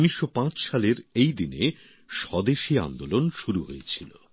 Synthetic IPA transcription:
miʃːopãt͡ɕʃaleɾejd̪ine | ʃɔd̪eʃia̰nd̪olonʃuɾuɦojet͡ɕʰilo̰

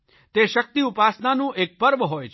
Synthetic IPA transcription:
t̪eʃək̚t̪iupasnanũʔek̚pəɾʋəɦojt͡ʃʰ

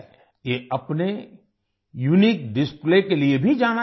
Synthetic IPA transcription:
jeɐpne | junik̚ɖɪsplekeliebʱid͡ʒaːna

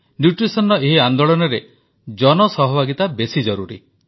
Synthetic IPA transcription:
njuʈɾisɔnɔeɦiand̪oɭɔnɔɾe | d͡ʒɔnɔsɔɦɔbʱaɡit̪abesid͡ʒɔɾuɾḭ

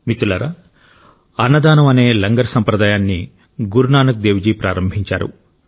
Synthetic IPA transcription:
mit̪ulɐɾɐ | ɐnːɐd̪aːnɐmɐne̞ːlɐŋɡɐɾsɐmpɾɐd̪aːjaːnːi | ɡuɾunaːnɐk̚d̪eːʋd͡ʒiːpɾʔa̰ːɾɐmbʱiɲt͡ʃa̰ːɾṵ

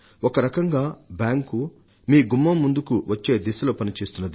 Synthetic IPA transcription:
ɔkɐɾɐkɐŋɡaːbjaːŋku | miːɡumːɐmːund̪ukuʋɐt͡ʃːe̞ːd̪isɐloːpɐnit͡ʃe̞ːst̪unːɐd̪i

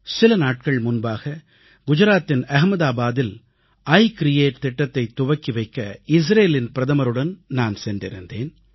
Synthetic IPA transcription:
sɪlɐnaːʈ̚kɐɭmʊnbaːɣɐ | ɡʊd͡ʒɐɾaːt̪ːɪnɐɦmɐðaːbaːðɪl | ɐɪkɾɪjeːʈ̚t̪ɪʈːɐt̪ːɐɪt̪ːʊʋɐkːɪʋɐɪkːɐɪs̬ɾeːlɪnpɪɾɐðɐmɐɾɯɽɐnnaːnsɛndɪɾɯ̰nd̪ḛːn

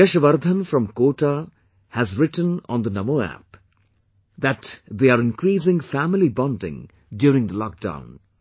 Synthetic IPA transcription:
əʃəʋəɾd̪ʱə̃nfɾʌ̃mkoːʈa | hæzɾɪʈə̃nɔ̰̃nd̪ənʌmoæ̰p | d̪æʈd̪eaɾɪ̃nkɾiːs̬ɪ̃ŋfæmɪlibɔ̃ndɪ̰̃ŋ | ɖjuːɾɪ̃ŋd̪əlɔk̚d̥ã̰ʊ̃n

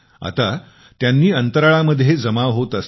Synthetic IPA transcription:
a̰t̪a | t̪janːiːənt̪əɾaɭaməd̪ʱːjed͡zəmaʋɦot̪əs

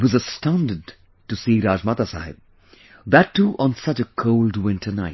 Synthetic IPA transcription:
wʌzəstãʊ̃ndɨd̚ | tusiːɾaːd͡ʒmat̪asa̰ɦɪ̰b̚ | ðətʰːuʔɔ̃nsʌt͡ʃəkʰoʊldwɪ̃ntʰə˞na̰ɪ

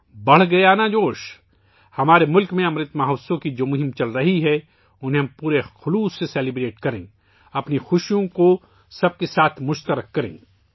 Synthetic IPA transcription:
bɐɽ̤ɡɐjanad͡ʒoːʃ | hɐmaːɾemʊlkmẽɐmɾɪt̪maɦɐːsõkid͡ʒoːmʊɦɪmt͡ʃɐlɾɐɦiɦɛ | ʊnɦẽɦmpuːɾexʊluːsːesɛːlɪbɾeːʈkɐɾḛ̃ː | ɐpnixʊʃjõko | sɐb̚kesaːt̪ʰmʊʃt̪əɾəkːɐɾḛ̃ː

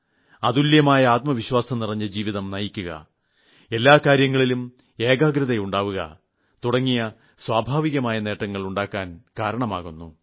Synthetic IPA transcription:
ɐðuljɐmaːjɐaːt̪̚mɐʋiɕwaːsɐmnirɐɲːɐd͡ʑiːʋiðɐmnɐjikʲːuɣɐ̰ | e̞lːaːkaːɾjɐŋːɐɭilum | e̞ːɡaːɡɾɐðɐjuɳɖaːʋuɣɐ̰ | t̪uɽɐŋːijɐ | swaːbʱaːʋiɣɐmaːjɐne̞ːʈːɐŋːɐɭuɳɖaːkːaːnkaːɾɐɳɐma̰ːɣunːu

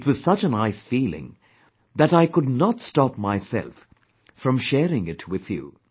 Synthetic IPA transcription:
twʌz̥sʌt͡ʃɨ̃naɪsfiːlɪ̰̃ŋ | ðɨɾaɪkʊdⁿnɑtstɑpmaɪsɛ̰lˠf | fɹʌ̃mʃɛɾɪ̃ŋɪtʰwɪð̥jṵ

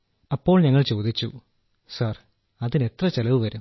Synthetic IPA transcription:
ɐpːo̞ːɭɲɐŋːɐɭt͡ɕo̞ːd̪it͡ɕːṵ | sɐr | ɐðine̞t̪rɐt͡ɕelɐʋɨʋɐɾum

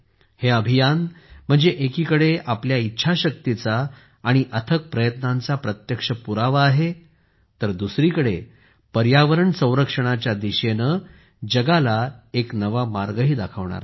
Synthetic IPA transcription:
heəbʱijanm̤əɳd͡zeʔekiːkəɽeapljaitːɕʰaɕək̚t̪it͡saː | ɽ̃iʔət̪ʰək̚pɾəjət̪nant͡sapɾət̪jəkʂəpuɾaʋaːɦe | t̪əɾd̪usɾikəɽe | pəɾjaʋəɾəɳsə̃w̃ɾəkʂəɽ̃at͡ɕjad̪iɕenə | d͡ʑəɡalaeknəʋamaɾɡəɦiːd̪akʰəʋɳa̰ɾa̰

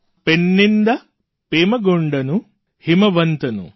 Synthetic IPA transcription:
peɳːind̪ɐ | peːmɐɡoɳɖɐnu | himɐʋɐnt̪ɐnṵ

